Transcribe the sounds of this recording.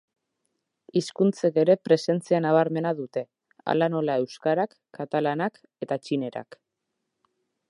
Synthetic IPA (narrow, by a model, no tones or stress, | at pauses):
iskunt͡seke̞ɾe̞pɾe̞se̞nt͡sianaβ̞aɾme̞naðut̪e̞ | a̰lano̞lae̞wskaɾakːat̪alanak | e̞t̪at͡ʃine̞ɾa̰k